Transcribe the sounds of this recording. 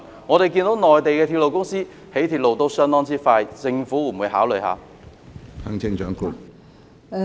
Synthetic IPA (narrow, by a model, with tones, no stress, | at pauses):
ŋɔː˨˧ɾe˨jki˧nt̪o˨˥wnɔː˨jt̪e˨jkɛː˧t̪ʰi˧lo˨wkʊ˥ŋsiː˥ | he˨˥t̪ʰi˨˩t̚lo˨wt̪o˧˥wsœː˥ŋnt̪ɔː˥ŋt͡siː˥faː˧jt͡sɪ˧ŋfuː˨˥˨wuː˨˧jhɦaː˨˥wlɵ˨jha̰ː˨˧ | hʰɐ˥ŋt͡sʰɪ˥ŋt͡ʃœː˨˥ŋku˥k̚